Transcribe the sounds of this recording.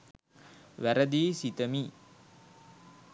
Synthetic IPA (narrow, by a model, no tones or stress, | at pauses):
ʋæɾəd̪iːsit̪əmi